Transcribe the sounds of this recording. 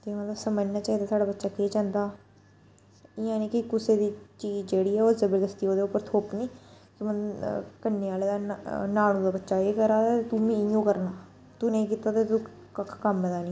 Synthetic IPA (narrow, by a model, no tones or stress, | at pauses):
t̪eːmət̪ləbsəməd͡ʒnaːt͡ʃaːɦiːd̪aːsaːɖaːbətːʃaːkeːt͡ʃãːnd̪aː | ɪãːnĩːkɪkʊseːd̪iːt͡ʃiːd͡ʒd͡ʒeːɽiːɛːoːzəbəɾd̪əst̪iːoːd̪eːʊpːəɾt̪ʰoːpniː | kɪməkənːeːaːleːd̪aːnaːɽõːd̪aːbətːʃaːeːkəɾaːat̪et̪uːmĩːjõːkəɾnaː | t̪unẽĩːkiːt̪aːt̪et̪u | kəkʰkəmbəd̪aːnĩː